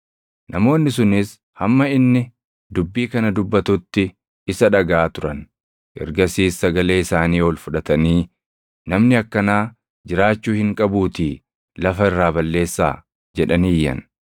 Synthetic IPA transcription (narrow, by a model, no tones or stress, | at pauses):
nʔɐmo̞ːnːɪs̬ʊnɪs | hɐmːɐɪnːɪ | d̪ʊbːiːkɐnɐd̪ʊbːɐt̪ʊt̪ːɪ | ɪsɐᶑɐɡaːt̪ʊɾɐn | ʔɛ̰ɾɡɐsiːsːɐɡɐle̞ːɪsaːniːwɔlfʊᶑɐt̪ɐniː | nɐmnɪɐkːɐnaː | d͡ʒɪɾaːt͡ʃːuːhɪŋkʼɐbuːt̪iː | lɐfɐɪrːaːbɐlːe̞ːsːa̰ː | d͡ʒɛᶑɐniːjːɐ̰n